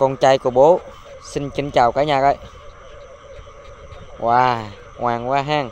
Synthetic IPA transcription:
kɔ˧nt͡ɕaː˧jku˧˩ɓo˨˦ | si˧nkï˨˦ŋt͡ɕaː˨˩wkaː˨˦jɲaː˨˩kə˧˩j | wʔaː˧˩ | ŋwaː˨˩ŋwaː˧ɦaː˧˩ŋ

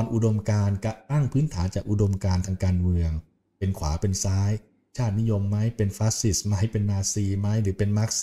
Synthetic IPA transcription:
ɔ˧nʔu˧do˧mkaː˧nka˧t̪a˥˩ŋpʰɯː˦˥nt̪ʰaː˩˦nt͡ɕaː˨˩k̚ʔu˧˩do˧mkaː˧nt̪ʰaː˧ŋkaː˧nmɯ˧əŋ | pe˧nkʰwa̰ː˩˦pe˧nsaː˦˥j | t͡ɕʰaː˥˩t̪̚ni˦˥jo˧mːa˦˥jpe˧nfaː˦˥si˨˩sma˦˥jpe˧nnaː˧siː˧ma˦˥jɾɯː˩˦pe˧nma˦˥k̚s

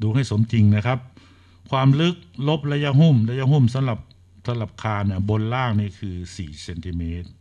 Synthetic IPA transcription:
duː˧ha˥˩jso˩˦mt̪ʰi˧ŋna˦˥˩kʰa˦˥p̚ | kʰwaː˧mlɯ˦˥k̚lo˦˥p̚la˧ja˧ɦu˥˩mla˧˥ja˧˥ɦu˥˩msa˨˦mla˨˩p̚ | sʰa˧˦la˨˩p̚kʰaː˧nːa˧˩bo˧nlaː˥˩ŋniː˧˥˩kʰɯː˧siː˨˩se˧nt̪ʰi˧meː˦˥t̪̚

